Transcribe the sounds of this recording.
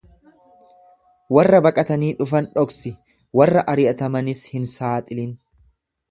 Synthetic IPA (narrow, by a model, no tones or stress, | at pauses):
wɐrːɐbɐkʼɐt̪ɐniːᶑʊfɐnᶑɔksɪ | wɐrːɐʔɐɾɪʔɐt̪ɐmɐnɪshɪnsaːt̪ʼɪlɪn